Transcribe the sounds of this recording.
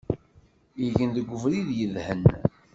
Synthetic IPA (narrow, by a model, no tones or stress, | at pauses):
iʝənðəɡʷːʊvɾiðjəðhən